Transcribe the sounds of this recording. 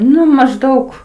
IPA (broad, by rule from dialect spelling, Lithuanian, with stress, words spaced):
ˈnʊ mɐʒˈdɐʊk